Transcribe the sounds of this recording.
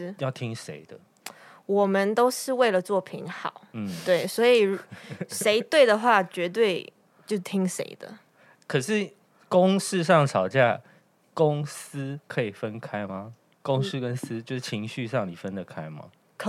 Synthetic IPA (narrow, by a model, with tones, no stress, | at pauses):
jɑ˥˩ʊt̪ʰi˦ŋʂḛ˧˥ɪd̪̥ə˨ | wɔ˨˩mə˦nt̪o˥ʊʂɻ̩˥˧we˥˩ɪlə˩t͡swɔ˥˩pʰḭ˧˥nxɑ˨˩˦ʊn̩˥t̪we˥˩ɪswɔ˧˥i˨˩˨ʂe˧˥ɪt̪we˥˩ɪd̪ə˩xwa˥˩t͡ɕɥɛ˧˥t̪̬we˥˧ɪ | t͡ɕjo˥˧ʊt̪ʰi˥ŋʂḛ˧˥ɪd̪ə̰˨ | kʰə˨˩ʂɻ̩˥˩ | kʊ˦ŋs̩˥˧ʂɑ˥˨ŋʈ͡ʂʰɑ˨˩ʊt͡ɕja˥˨ | ko˦ŋs̩˦kʰɤ˧˦i˨˩fə˦nkʰa˦ɪma˧ | kʊ˦ŋs̩˦kə˦ns̩˦t͡ɕjo˥˧ʊʂ̩˥˩t͡ɕʰi˧˥ŋɕy˥˧ʂɑ˥˨ŋni˨˩fə˦nd̪ə˨kʰa˦ɪma̰˨ | kʰ